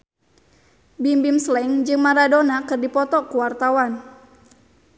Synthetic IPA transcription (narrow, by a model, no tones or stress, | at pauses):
bimbimslɛŋd͡ʒɨŋmaɾadonakɨrdipɔt̪ɔkuwart̪awan